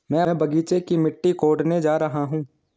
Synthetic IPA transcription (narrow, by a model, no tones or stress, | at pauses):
mɛ̃ːbɐɡiːt͡ʃekimɪʈːikoːɖned͡ʒaːɾɐɦaɦũː